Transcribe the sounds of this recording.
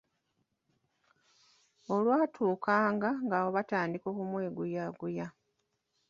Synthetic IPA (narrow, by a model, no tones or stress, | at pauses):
o̞lwaːtʰuːkaːŋɡaŋɡaːwo̞βataːndiko̞ːkumwe̞ːɡujaɡuja